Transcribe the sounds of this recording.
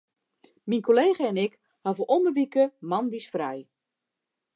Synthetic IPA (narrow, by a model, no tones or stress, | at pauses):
minkʰoleːɣəɛnɪk | havəʔɔməʋikəmandisfrɛj